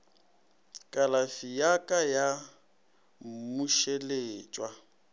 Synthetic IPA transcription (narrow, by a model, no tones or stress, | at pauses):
kʼalafijakʼaja | muʃeleːt͡ʃʼwa